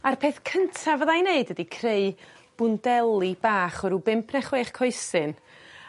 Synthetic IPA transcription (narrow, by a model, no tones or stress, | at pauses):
arpʰeːθkʰəntʰavəðajneɨdədikʰreɨ | b̥ʊndɛlˠibaːχɔɾubɪmpʰnɛχweːχkʰɔɨsɨn